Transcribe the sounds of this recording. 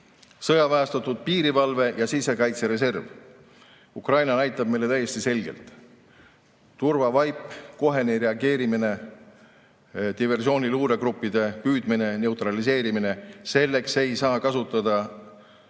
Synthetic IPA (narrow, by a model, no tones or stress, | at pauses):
sɤjɑvæːst̪ɑt̪ˑud̪̥̚piːɾivɑlve̞jɑsise̞kɑjt̪se̞ɾe̞s̬e̞rv | ukrɑjnɑnæjt̪ːˑɑb̥̚mejlːe̞t̪æje̞sʲt̪ise̞lʲɡ̥e̞̰lt̪ˑ | urvɑvɑjpːˑko̞ɦe̞neɾe̞ɑɡe̞ːɾimine̞ | t̪ive̞rs̬io̞ːnʲiluːɾe̞kɾupːid̪e̞pyːd̪mine̞ne̞wt̪ɾɑlise̞ːɾimine̞se̞lːe̞kse̞jsɑːkɑsut̪ːˑɑd̪̥ɑ